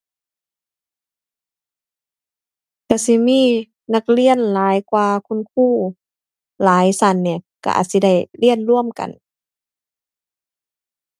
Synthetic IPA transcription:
ka˧˩si˧˦miː˧˥˨ | na˧k̚li˧˥˩ənlaː˨˦jkwaː˧kʰu˧˥˨nkʰuː˧˥˩ | laː˨˦jsa˧˩nːi˧˩˨ka̰˧˩ʔa̰˨˩t̚si˧˦da˧˥˩jli˧˥˨ənlu˧˩˨əmka̰˨n

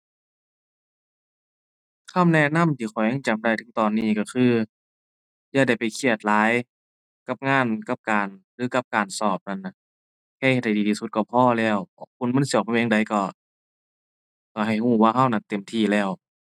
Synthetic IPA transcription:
kʰa˧˥˨mnɛ˧˥˨na˧˥˨mt̪ʰiː˧˩xʰɔ˨˩ja˧˨ŋt͡ɕa˨˩mda˧˩jt̪ʰɯ̥˧˦ŋt̪ɔː˨˩nːiː˧˩˨kɔ˧˩xʰɯː˧˩ | jaː˧˩da˧˨˩jpa˨jkʰi˧˩ət̪̚laː˨˦j | ka˧˥p̚ŋaː˧˥˨nka˧p̚kaː˨˩nlɯː˨˦ka˧p̚kaː˨˩nsɔː˧˩p̚na˧˨nːa˧˩ | kʰɛː˧˥˨he˧˩da˨˩˨diː˨t̪ʰiː˧su˧˦t̪̚kɔ˧˩pʰɔː˧˥˨lɛː˧˩wkʰu˧˨nma˧˥˨nsi˧˩˨p̚ʰːa˧˨˧ŋda˨jkɔ˧˩ | kɔ˧˩ɦa˨˩jhuː˧˩waː˧ɦa˧˩wna˧nt̪e˨˩mt̪ʰiː˧˩lɛː˧˩w

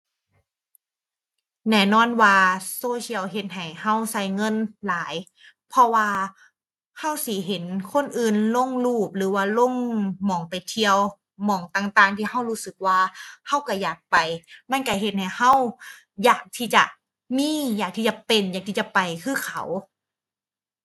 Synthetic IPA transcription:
nɛː˧˩nɔː˧˥˩nwaː˧soː˧sʰi˧əwɦe˧˦t̪̚ɦa˨˩jha˧˥˩wsa˧˩jŋɤ˧˥˨nlaː˨˦j | pʰɔ˧waː˧ | ha˧˥˩wsiː˨˦ɦe˨˦nkʰo˧˥˨nʔɯː˨˩nlo˧˥˨ŋluː˧˩p̚lɯː˨˦waː˧˩lo˧˥˨ŋmɔː˨˩ŋpa˨jt̪ʰi˧əw | mɔː˨˩ŋt̪aː˨˩ŋt̪aː˨˩ŋt̪ʰiː˧ha˧˩whuː˦˧˥sɯ˨˩k̚waː˧ha˧˥˩wka˧˩jaː˨˩k̚pa˨˩jma˧˥˨nka˧˩ɦe˧˦t̪̚ha˨˩jha˧˥˩w | jaː˨˩k̚t̪ʰiː˧˩t͡ɕa̰˨˩ | miː˧˥˨jaː˨˩k̚t̪ʰiː˧˩t͡ɕa˨pe˨njaː˨˩k̚t̪ʰi˧˩t͡ɕa˨pa˨˩jkʰɯː˧˥˩kʰa̰˨˦w

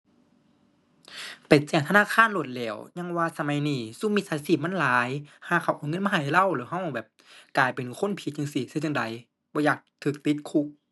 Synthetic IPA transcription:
pa˨˩t͡ɕɛː˧˩ŋt̪ʰnaː˧˥˨kʰaː˧˥˨nlo˧˩t̪̚lɛː˧˩wɲa˧˥˨ŋwaː˧sa˧ma˧˦jniː˧˩su˧˥˨mi˧t̪̚saː˧siː˧˩p̚ma˧˥˨nlaː˨˦jhaː˧˥˨kʰa˧˩wʔaː˨˩˦ŋɤ˧˥˨maː˧˨la˧˨wlɯː˨˦ɦa˧˥˨wbɛː˨˩p̚klaː˨˩jpe˨˩nkʰo˧˥˨npʰi˧˦t̪̚ɲa˧ŋsi˧˩sa˧˨t͡ɕa˧˨ŋda˨˦j | bɔː˧˦jaː˧˩k̚t̪ʰɯː˧˩k̚t̪i˧˦t̪̚kʰu˧˨k̚

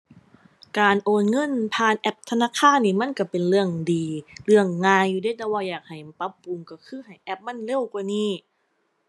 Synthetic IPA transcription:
kaː˨nʔoː˨˩nŋɤ˧˥˨npʰaː˧˩˨nʔɛ˦˧˥p̚t̪ʰa˧naː˧˥˨kʰaː˧˥˨nːiː˧˩ma˧˥˨nka˧˩pe˨nlɯ˧˩əŋdiː˨˧lɯ˧˥˩əŋːaː˧jːuː˧˦daː˧˥˩jt̪ɛː˧˩waː˧˩jaː˨˩k̚ha˨˩jpa˧˦˥pːu˨˧mkɔ˧˩kʰɯː˧˥˨hɦa˨˩jʔɛ˦˥p̚ma˧˥˨nle˧˥˩wkwaː˧niː˧˩

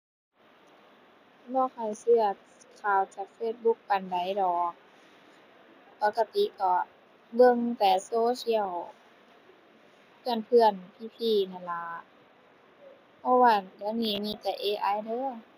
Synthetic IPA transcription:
lɔː˧˩kʰa˧˩jsɯ˧ɐ | kʰaː˧˨˩wt͡ɕaː˨˩k̚feː˧t̪̚bu˧˦k̚pa˨nda˨˦jdɔː˨˩k̚ | pɔ˧˦ka˧t̪i˧˦kɔː˧˩ | ɡɤ˧˨ŋt̪ɛː˨˩soː˧˦si˧˥ə˨w | pʰɯ˧˩ənpʰɯ˧˨ənpʰiː˧˨p̪ʰiː˧˩na˧˩laː˧˦ | pʰɔ˧˦waː˧˩ja˧˦niː˧˩˨niː˧˥˨t̪ɛ˧˩ʔeː˧ʔa˧˨jdɤː˧˥˨

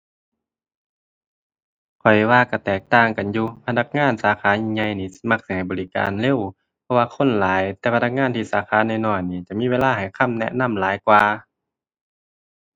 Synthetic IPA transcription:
kʰɔ˨˩jwaː˧˨ka˧˩t̪ɛː˨˩k̚t̪aː˧˩˨ŋka˨njuː˧pʰa˧na˧˥k̚ŋaː˧˥˨nsaː˨˦xʰaː˨˦ɲi˧ŋɲa˧jniː˧˩sma˧k̚sa˧˩ha˨˩jbɔː˨li˦˧˥ka̰ː˨nle˧˨w | pʰɔ˧waː˧kʰo˧˥˨nlaː˨˦jt̪ɛː˧pʰa˧na˧k̚ŋaː˧˥˨nt̪ʰiː˧˩saː˨˦xʰaː˨˦na˧˩jnɔː˧˩jniː˧˩t͡ɕa˨˩miː˧˥˨weː˧˥˧laː˧˥˨ha˨˩jkʰa˧˥˨mnɛ̰˧ʔna˧˥˨mlaː˨˦jkwaː˧

